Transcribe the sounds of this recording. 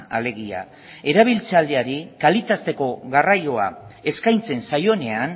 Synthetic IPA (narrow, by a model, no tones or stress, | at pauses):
ale̞ɣia̰ | e̞ɾaβ̞ilt͡sald̪eaɾikalit̪ast̪e̞ko̞ɣarajo̞ae̞skajnt͡se̞nsajo̞ne̞an